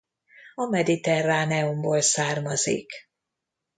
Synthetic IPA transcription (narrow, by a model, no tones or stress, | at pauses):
ɒmɛd̪it̪ɛraːnɛomboːlsaːrmɒzḭk